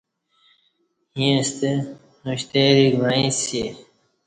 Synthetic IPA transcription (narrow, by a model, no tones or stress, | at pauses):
hĩst̪e | nuɕt̪eɾiɡãĩse